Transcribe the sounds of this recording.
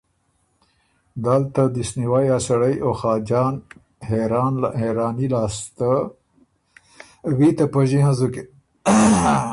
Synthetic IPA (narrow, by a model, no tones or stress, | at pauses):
d̪alt̪ad̪isniwajasaɽəjʔoxɑːd͡ʒɑːn | heɾɑnlaheɾɑːnilɑːst̪a | wit̪apəʒiɦãzuke